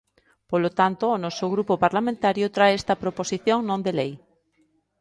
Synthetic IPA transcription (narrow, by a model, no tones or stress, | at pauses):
polot̪ant̪oːnɔsoɣɾupopaɾlamẽnt̪aɾjot̪ɾaeɛst̪ɐpɾoposiθjoŋnõnd̪elej